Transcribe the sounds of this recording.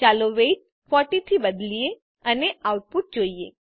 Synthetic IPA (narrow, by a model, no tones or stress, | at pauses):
t͡ʃaloʋeiʈ̚ | fɔʈit̪ʰibəd̪lie | əneawʈ̚puʈ̚d͡ʒoie